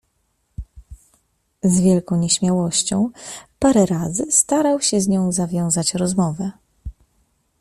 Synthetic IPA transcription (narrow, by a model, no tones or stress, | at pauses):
zvʲjɛlkɔ̃w̃ɲɛɕmʲjawɔɕt͡ɕɔ̃w̃paɾɛɾazɘst̪aɾawɕɛzɲɔ̃w̃zavʲjɔ̃w̃zat͡ɕɾɔzmɔvɛ